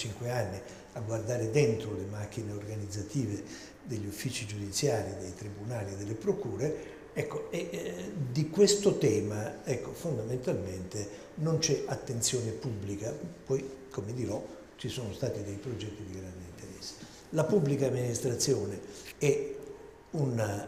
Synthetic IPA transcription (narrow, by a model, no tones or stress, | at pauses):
t͡ʃiŋkweanːi | aɡward̪aːɾed̪ɛnt̪ɾolemak̟ːineorɡanid̪zːat̪iːve | d̪eʎːufːit͡ʃid͡ʒud̪it̪sːjaːɾid̪ejt̪ɾibunaːlied̪elːepɾokuːɾe | ɛkːoed̪ikwest̪ot̪ɛːmaɛkːofond̪ament̪alment̪e | nont͡ʃɛat̪ːent̪sjɔːnepubːlikapɔjkʰomed̪iɾɔ | t͡ʃisɔːnost̪aːt̪id̪ejpɾod͡ʒɛt̪ːid̪iɡɾand̪eint̪eɾɛsːe̥ | lapubːlikaːmːinist̪ɾat̪sːjɔːneɛ | una